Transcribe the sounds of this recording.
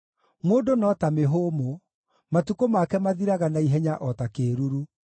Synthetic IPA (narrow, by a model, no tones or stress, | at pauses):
mwoːdonɔtameɦomo | matukomakɛmaðiɾaɣanaiɦɛɲaʔɔtakeɾuɾu